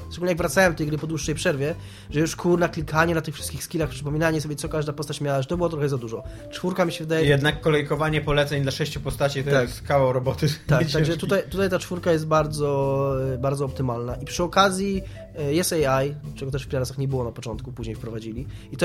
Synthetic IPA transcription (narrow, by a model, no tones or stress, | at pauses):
stəɡulʲɲɛjaɡvɾat̪sawɛmt̪ɛjɡɾɘpɔd̪wuʂːɛjpʂɛɾvʲjɛ | ʐɛjuʂkʰuɾnaklʲikaɲɛnat̪ɘxfʂɘst̪kʲixskʲilaxpʂɘpɔmʲinaɲɛsɔbʲjɛt̪ɔkaʐd̪apɔst̪at͡ɕmʲjawaʐɛt̪ɔbɘwɔt̪ɾɔxɛzad̪uʐɔ | t͡ʂfuɾkamʲiɕɛvɘd̪ajɛjɛd̪nakːɔlɛjkɔvaɲɛpɔlɛt̪sɛɲd̪laʂɛɕt͡ɕupɔst̪at͡ɕit̪ɔakavɔɾɔbɔt̪ɘakt̪aɡʐɛt̪ut̪ajt̪ut̪ajt̪at͡ʂfuɾkajɛst̪̚baɾd̪zɔbaɾd̪zɔɔp̚t̪ɘmalnaʔipʂɨɔkazʲji | jɛsɛjajt͡ʂɛɡɔt̪ɛʂfpʲilaɾasaxɲɛbɘwɔnapɔt͡ʂɔnt̪kupuʑɲejfpɾɔvad͡ʑilʲiit̪ɔ